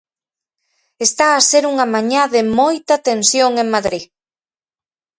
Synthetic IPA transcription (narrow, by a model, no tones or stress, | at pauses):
est̪aːseɾuŋamaɲaðɪmojt̪ɐt̪ensjoŋeŋmaðɾi